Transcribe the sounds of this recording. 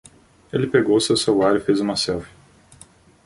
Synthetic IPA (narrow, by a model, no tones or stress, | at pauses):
elɪpeɡowʊsewsevuaɾʊɪfezũmɐsɛwfi̥